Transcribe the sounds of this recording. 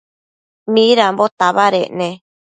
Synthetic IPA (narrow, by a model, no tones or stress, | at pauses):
mĩɾambot̪aβaɾeʔnẽ